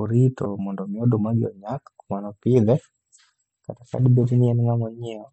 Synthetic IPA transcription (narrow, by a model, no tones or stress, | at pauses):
uɾitɔmɔndɔmiɔɗɔmaɡiɔ̰ɲakḁkumanɔpiðɛ | ka̰taka̰ɗibɛdiniɛniŋamɔɲiɔ